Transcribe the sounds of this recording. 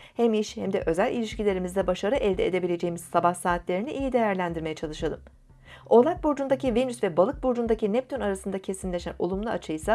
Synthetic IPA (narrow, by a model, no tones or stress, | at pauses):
hɛmiʃhɛmd̪ɛʔø̞zælʲilʲiʃcilʲe̞ɾimizd̪ɛbaʃaɾɯʔɛlʲd̪ɛed̪e̞bilʲe̞d͡ʒe̞jimiz̥sabahsaːt̪lʲe̞ɾiniʔijid̪e̞jæɾlʲænd̪iɾme̞jɛt͡ʃʰalˠɯʃalˠɯm | o̞lˠak̚buɾd͡ʒund̪acivenysvɛbalˠɯk̚buɾd͡ʒund̪acinɛp̚t̪ʰynaɾasɯnd̪acʰe̞simlʲe̞ʃæ̰no̞̰lˠumlˠaat͡ʃʰɯjsa